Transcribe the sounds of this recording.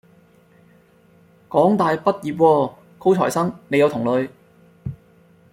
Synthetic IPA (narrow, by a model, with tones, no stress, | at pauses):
kɔː˨˥ŋt̪aː˨˧jpɐ˥t̚jiː˨˩p̚wɔː˧ | kʰo˥wt͡sʰɔ̰ː˨˩jsɐ˥ŋne˨˧jɐ˨˧wt̪ʰʊ˨˩ŋlɵ˨˧ɥ